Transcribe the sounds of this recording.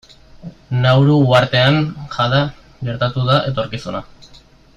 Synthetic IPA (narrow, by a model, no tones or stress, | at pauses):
nawɾuɣuaɾt̪e̞aŋʝaða | ɡe̞ɾt̪at̪uðaʔe̞t̪o̞ɾkisuna